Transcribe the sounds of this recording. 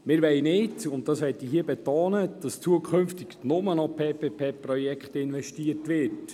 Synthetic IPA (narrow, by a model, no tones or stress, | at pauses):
mɪːɾʋɛɪnɪːtʊntdɑsʋɛtiɦiəbɛtoːnəd̥ɑst͡suəkʰχʏmftɪɡnʊmənɔpʰeːpeːpʰeːpɾɔjɛkχtɪnʋɛʃtiətʋɪɾt